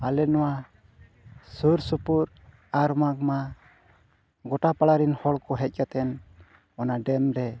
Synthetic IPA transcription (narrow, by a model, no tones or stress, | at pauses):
alɛnɔwa | suɾsupuɾ | aɾmak̚ma | ɡɔʈapaɽaɾinhɔɭkɔɦɛc̚ˀkat̪ɛn | ɔnaɖɛmɾɛ